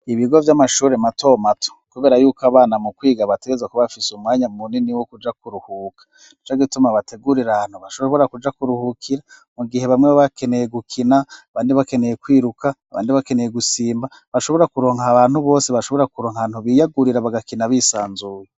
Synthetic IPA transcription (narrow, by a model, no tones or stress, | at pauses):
iβiɡo̞vjamaʃuːɾematʰo̞matʰo̥kuβe̞ːɾajuːkoaβaːnamukwiːɡaβate̞ɡezakuβafisumŋaːɲamuniniwokud͡ʒakuɾuhuːkʰḁ | nit͡ʃaɡitumaβatʰe̞ɡuɾiɾahan̥huβaʃoβo̞ɾakud͡ʒakuɾuhukʰiɾa | muɡihe̞βamŋweβaβake̞ne̞je̞ɡukʰinaβaːndiβake̞nejekwiːɾukʰaːβa̰ːndiβake̞ne̞je̞ɡusiːmba | βaʃo̞βo̞ɾakuɾo̞ːŋhaβaːn̥huβo̞ːseβaʃo̞βo̞ɾakuɾoːŋhaan̥huβijaɡuɾiɾaβaɡakinaβisaːnzuːje